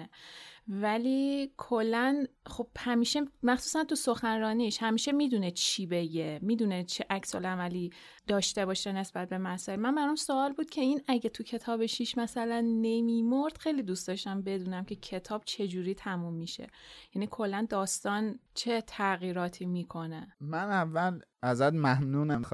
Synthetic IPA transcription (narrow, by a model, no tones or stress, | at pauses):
væliːkʰolːænχo̞b̥̚hæmiːʃemæxsuːsænt̪uso̞xænɾɒːniːʃhæmiːʃemid̪unet͡ʃʰibe̞ɟe̞miːd̪unet͡ʃʰeʔækso̰læmæliː | d̪̥ɒːʃt̪e̞bɒːʃene̞sb̥æt̪̚ʰbe̞mæsælmænbænomsoɒːlbuːd̪̚cʰe̞inæɟet̪ʰucʰe̞t̪ʰɒːbeʃiʃmæsælænːemimo̞ɾd̪̥xe̞jlid̪usd̪ɒʃt̪æmbe̞d̪uːnæmcʰe̞cʰe̞t̪ʰɒːb̥̚t͡ʃʰe̞d͡ʒuːɾiːt̪ʰæmumːiʃḛjæniːkʰo̞lːænd̪ɒːst̪ɒːnt͡ʃʰe̞t̪ʰæɣiːɾɒːt̪ʰiːmiːkʰo̞nemænævːælæzæt̪mæhnuːnæm